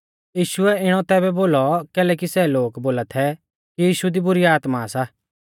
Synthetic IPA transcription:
jiːʃʊɛɪɽ̃ɔt̪ɛːbɛboːlɔkɛːlɛːkisɛloːkboːlat̪ʰɛ | kijiːʃud̪ibʊɾiaːt̪masa

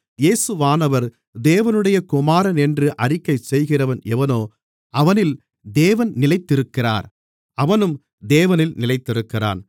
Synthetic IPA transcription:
jeːsɯʋaːnɐʋɐɾ | d̪eːʋɐnɯɽɐjɐkʊmaːɾɐnɛndrɯʔɐrɪkːɐɪsɛjɣɪrɐʋɐnɛʋɐnoː | ʔɐʋɐnɪl | d̪eːʋɐnnɪlɐɪt̪ːɪɾɯkːɪra̰ːɾ | ɐʋɐnɯm | d̪eːʋɐnɪlnɪlɐɪt̪ːɪɾɯkːɪra̰ːn

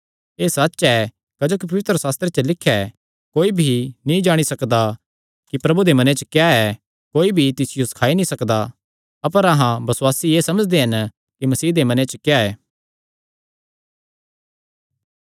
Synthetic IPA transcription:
eːsɐtːt͡ʃɛ | kɐd͡ʒoːk̬ipɐʋɪt̪ɾəsaːst̪ɾet͡ʃəlɪkʰːɛ | koːibʱinĩd͡ʒaːɽ̃isɐkd̪a | kipɾɐbud̪emɐnɛ̃t͡ʃəkjaɛ | koːibʱit̪ɪsɪjoskʰaːinĩsɐkd̪a | ɐpəɾɐɦãbɐswaːsieːsɐməd͡ʒd̪eɦɐn | kimɐsiːd̪emɐnɛ̃t͡ʃəkjaɛː

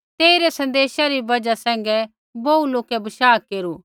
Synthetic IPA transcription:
t̪eːiɾɛsɐ̃nd̪eːʃaɾibɐd͡ʒasɛ̃ːŋ̆ɡɛ | bɐuloːkɛbɐʃaːkeːɾuː

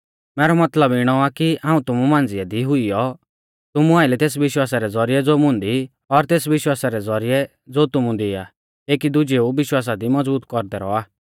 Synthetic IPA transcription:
mɛːɾɔmɐt̪ləbɪɽ̃ɔakiãːũt̪ʊmumãːnd͡zɪɛd̪iɦʊijɔ | t̪ʊmũaːɪlɛt̪eːs̬ʋɪʃwaːsaɾɛd͡zɔɾɪjɛd͡zoːmʊ̃nd̪i | ɔɾt̪eːsʋɪʃwaːsaɾɛd͡zɔɾɪjɛ | d͡zoːt̪ʊmũd̪ia̰ | eːkid̪ʊd͡ʒeubɪʃwaːs̬ad̪imɔd͡zbuːt̪kɔɾd̪ɛɾɔ̰aː

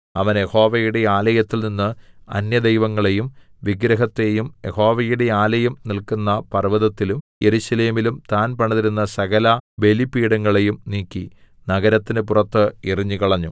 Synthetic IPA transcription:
ɐʋɐnje̞ho̞ːʋɐjuɽe̞aːlɐjɐt̪ːilninːɨɐ̰njɐd̪ejʋɐŋːɐɭe̞jumʋiɡɾɐɦɐt̪ːejumje̞ho̞ːʋɐjuɽe̞aːlɐjɐmnilkunːɐpɐrʋɐðɐt̪ːilumjeɾuɕɐle̞ːmilumt̪aːnpɐɳɐðiɾunːɐsɐɣɐlɐbe̞lipːiːɽɐŋːɐɭe̞jumniːkʲːi | nɐɣɐɾɐt̪ːinɨpurɐt̪ːɨiriɲːukɐɭɐɲːu

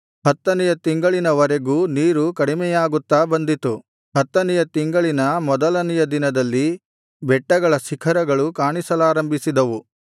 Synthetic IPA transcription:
hɐt̪ːɐnɛjɐt̪iŋɡɐɭinɐʋɐɾeɡuːniːɾukɐɽimɛjaːɡut̪ːaːbɐnd̪it̪u | ɦɐt̪ːɐnijɐt̪iŋɡɐɭinɐmɔd̪ɐlɐnijɐd̪inɐd̪ɐlːi | bɛʈːɐɡɐɭɐsikʰɐɾɐɡɐɭukaːɳisɐlaːɾɐmbʱisid̪ɐʋu

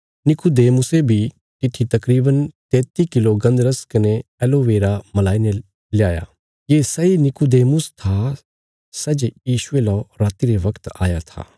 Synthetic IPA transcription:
nɪkud̪eːmʊsebʱi | t̪ɪt̪ʰit̪ɐkɾiːbənt̪ɛ̃ːt̪ikɪloɡɐ̃nd̪ɾəskɐneɛloʋeːɾamɐlaːine | lɪjaːja̰ː | jeːsɐinɪkud̪eːmʊst̪ʰa | sɐd͡ʒjiːʃʊelɔɾaːt̪iɾeʋɐkt̪a̰ːjat̪ʰa̰ː

